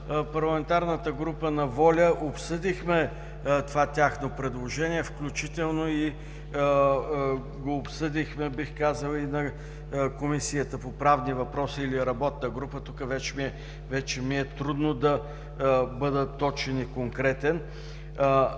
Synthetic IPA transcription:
pɐɾlˠɐmɛnt̪aɾnət̪əɡɾupənɐvɔlʲəʔopsɤd̪ixmɛ | t̪ovat̪ʲaxnopɾɛd̪lˠoʒɛniɛfklʲut͡ʃit̪ɛlˠnoi | ɡoːpsɤd̪ixmɛbixkazəlˠinɐ | komisijət̪əpopɾavnivɐpɾɔsiːliɾɐbɔt̪̚nəɡɾupət̪ukəvɛt͡ʃɛmiɛ | vɛt͡ʃɛmiɛt̪ɾud̪nod̪ɐ | bɤd̪ət̪ːɔt͡ʃɛnikoŋkɾɛt̪ɛn

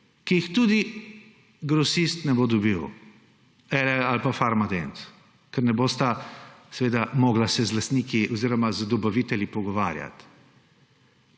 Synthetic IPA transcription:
kijixt̪ud̪i | ɡɾɔsist̪nɛbod̪ɔbiw | ɛɾɛalpafaɾmad̪ens | kɛɾnɛboːst̪asɛʋeːd̪amɔːɡlasɛzlast̪niːkiʔɔziːɾɔmazd̪ɔbaʋit̪ɛljipɔɡɔʋaːɾja̰t̪

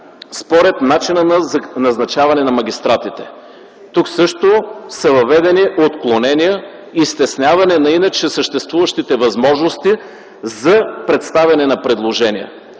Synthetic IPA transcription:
spoɾɛt̪nat͡ʃinənnɐznɐt͡ʃavɐnɛnɐmɐɡʲist̪ɾat̪it̪ɛ̥ | t̪uksɤʃt̪osɐvɐvɛd̪ɛniʔot̪klˠonɛnijə | ist̪ɛsnʲjavɐnɛnɐinɐt͡ʃɛsəʃt̪ɛst̪vuvəʃt̪it̪ɛvɐzmɔʒnost̪i | zɐpɾɛt̪st̪avʲɐnɛnɐpɾɛd̪lˠoʒɛnijə̰

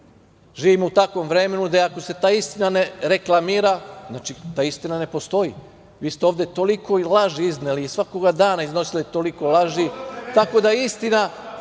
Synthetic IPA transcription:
ʒiːʋimout̪akʋo̞mʋɾe̞me̞nud̪aako̞se̞t̪aːist̪inaneɾe̞klˠamiːɾaznaːt͡ʃit̪aːist̪inane̞po̞st̪o̞i | ʋiːst̪eo̞ːʋd̪e̞t̪o̞liko̞ilˠaʒiizneliisʋakoɡad̪aːnaizno̞silit̪o̞liko̞lˠaʒit̪ako̞d̪aist̪ina

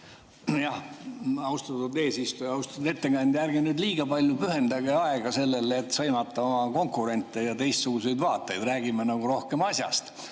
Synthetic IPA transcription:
jɑhɑust̪ɑt̪ud̪e̞ːsist̪ujɑwst̪ɑt̪ud̪e̞t̪ːe̞ɡ̥ɑnʲd̪jærɡenyːd̪liːɡ̥ɑpɑlʲjupyɦe̞nd̪ɑɡeɑeɡ̥ɑse̞lːelet̪ːˑsɤjmɑt̪ˑːɑo̞mɑko̞ŋkˑuɾe̞nt̪ːˑejɑt̪e̞jst̪suɡuse̞jd̪vɑːt̪ːˑejd̪̥ræːɡ̥imenɑɡuɾo̞hkemɑsjɑ̰st̪

